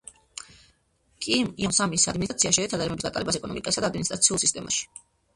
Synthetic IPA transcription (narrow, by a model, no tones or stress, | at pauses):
kʼimiɔmsamisad̪minit̪ʼt̪ʰiaʃɛɾɛt̪ʰad̪aɾɛmɛbisd̪at̪ʼalɛbasɛkɔnɔmikʼasad̪ad̪minst̪ɾat̪sʰiulˠsist̪ʼɛma̰ʃi̥